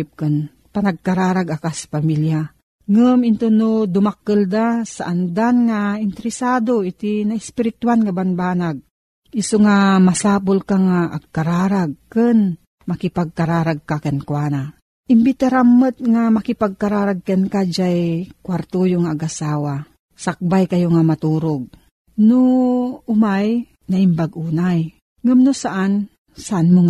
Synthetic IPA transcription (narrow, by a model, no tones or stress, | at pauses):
p̚kɨn | panaɡ̚kaɾaːɾaɡakasḁpamilja | ŋɨmɪnt̪unod̪ʊmakːɨld̪asa̰ʔand̪anŋaɪnt̪ɛɾɪsaːd̪oit̪inaʔspɪɾɪt̪uanŋabanbaːnaɡ̚ | ɪsoŋamasaːpʊlkaŋaʔːɡ̚kaɾaːɾaɡ̚kɨn | makɪpaɡ̚kaɾaːɾaɡ̚kakɛnkwaːna | ʔɪmbɪt̪aɾamːət̪̚ŋamakɪpaɡ̚kaɾaːɾaɡ̚kɛnkad͡ʒajkwaɾt̪ojoŋaːɡʔasaːwa | sak̚bajkajoŋamat̪uːɾoɡ̚ | noʊmaj | naʔɪmbaɡʔuːnaj | ŋəmnosaʔan | saʔanmoŋ